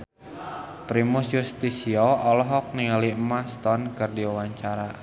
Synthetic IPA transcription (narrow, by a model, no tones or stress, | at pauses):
pɾimʊsjust̪isiɔɔlɔɦɔk̚niŋalimast̪ɔnkərdiawaɲt͡ʃaɾa